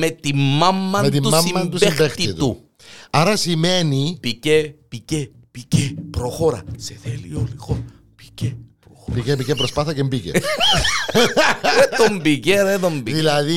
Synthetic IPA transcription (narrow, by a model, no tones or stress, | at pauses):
met̪imːɐmːɐmet̪imt̪usɐmiːɐnt̪usbxbext̪iit̪u | ɐɾɐsimenipicepice | picepɾoxoɾɐseθelḭolixoɾɐ | pi̥cepɾopikepicepɾospɐθɐcembicḛ | et̪ombiceðet̪ombiðilɐði